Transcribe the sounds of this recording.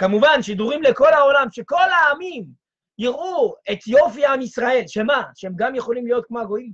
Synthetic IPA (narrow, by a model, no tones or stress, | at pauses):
kamuvanʃid̪uʁimle̞ko̞lhao̞lamʃe̞ko̞lhaːmim | jiʁue̞t̪jo̞fiamisʁae̞lʃemaʃeemɡamjeχo̞limlijo̞t̪̚kmoaɡo̞im